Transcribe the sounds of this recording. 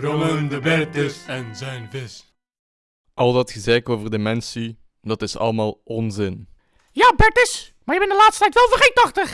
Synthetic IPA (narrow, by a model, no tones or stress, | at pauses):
ɾoməndəbɛɹtɪsɛnzɛnvɪs | ʔɑlˠdɑtxəzɛːkoːvərdəmɛnsi | dɑtɪsɑ̰ləmaːlˠʔɔnzɪn | jaːbɛɹtɪsmaːɹjəbɛnɪndəlaːtstətɛjtʋɛlˠvəχetɑχtəχ